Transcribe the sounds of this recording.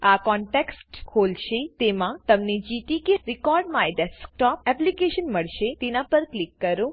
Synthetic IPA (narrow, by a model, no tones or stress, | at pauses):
akɔɳʈeksʈkʰolʃet̪emãt̪əmned͡ʒit̪ikeɾikɔɾɖmãeɖɛsk̚ʈɔp̚ɛplikeʃənməɭʃet̪enãpəɾklikːəɾũ